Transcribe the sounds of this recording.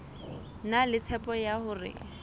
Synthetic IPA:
nalɪt͡sʰɛpɔjahʊːrɪ̰

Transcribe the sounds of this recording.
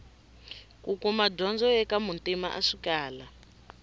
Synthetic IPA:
kukumadɔnd͡zɔɛkamuntʼima̰ʔaʂikaːla

